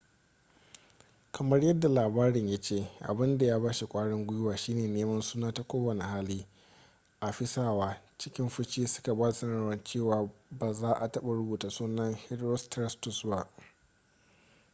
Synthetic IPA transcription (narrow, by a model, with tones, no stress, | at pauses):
kʰɐ˨mɐ˦rjɐ˦dːa˨laː˨baː˦ɽɪ˨ɲja˦t͡ʃeː˦˨ʔa̰˨bɪ˦nda˨jaː˦baː˦ʃi˨kʷʼaː˦ɽɛ˦ŋɡʷʊ˦jʊ˦waː˨ʃiː˦neː˨neː˦mɐ˦nsuː˦naː˦ta˨kʷoː˦wɐ˨ne˨haː˦liː˦ | ʔa˨ɸɪ˦saː˦waː˦t͡ʃɪ˦kʲɪ˦mɸʊ˦t͡ʃiː˦sʊ̥˦ka˨baː˦da˨sɐ˦na˦˨wɐ˦nt͡ʃeː˦˨waː˨baː˨zaː˦ʔa˨tɐ˦ɓa˨ɾʊ˦buː˨taː˨suː˦nːɐ˦ŋhɪ˦dɾo˦stɾɛ˦stʊ˨sba˦ʔ